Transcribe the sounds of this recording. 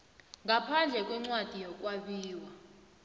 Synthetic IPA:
ŋɡʱapʰand͡ɮʱɛkʼwɛŋ͡ǀwad̥ʱijɔk̬ʼwaɓiːwa

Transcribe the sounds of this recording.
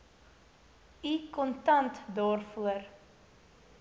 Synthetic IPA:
ikɔntɐntdɑːrfuər

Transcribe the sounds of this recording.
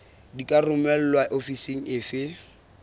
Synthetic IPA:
dikʼarʊmɛl̩lwaʔofiseŋ̩ɪfɪ

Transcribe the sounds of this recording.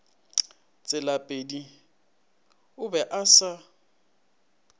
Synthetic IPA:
t͡sʼɪlapʼedi | ʊbɛʔasa

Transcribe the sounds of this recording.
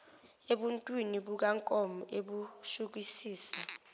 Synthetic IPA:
eɓuntʼwiniɓuk̬aŋkʼɔmɔʔeɓuʃuk̬isiːsa

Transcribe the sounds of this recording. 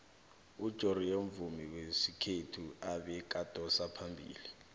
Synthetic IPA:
ud̥ʒ̥ʱorioɱvumiwesikʰetʰuaɓɛk̬ʼad̥ʱɔsapʰambʱḭːli

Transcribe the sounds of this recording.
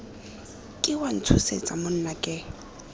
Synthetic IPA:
kʼɪwan̩t͡sʰusḛt͡sʼamʊn̩nakʼɪ

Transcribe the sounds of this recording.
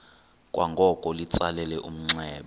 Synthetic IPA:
kʼwʔaŋɡʱɔkʼɔlit͡sʼalɛlɛʔum̩ŋ͡ǀɛːɓɛ

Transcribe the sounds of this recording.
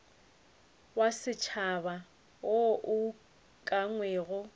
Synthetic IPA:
wasɪt͡ʃʰaβa | oʔʊ | kʼaŋwɛːɣɔ

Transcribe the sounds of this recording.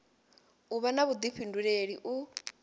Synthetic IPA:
uβanaβud̪iɸʰinduɺeɺiʔu

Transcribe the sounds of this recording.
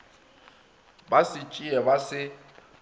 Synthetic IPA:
basɪt͡ʃʼiɛbasɪ

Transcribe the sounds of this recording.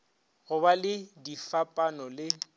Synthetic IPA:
ɣʊbalɪdifapʼanɔlɪ

